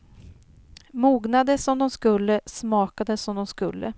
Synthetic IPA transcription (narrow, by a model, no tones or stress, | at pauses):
muːɡnad̪əsɔmd̪ɔmskɵlːəsmɑːkad̪əsɔmd̪ɔmskɵ̰lːə̰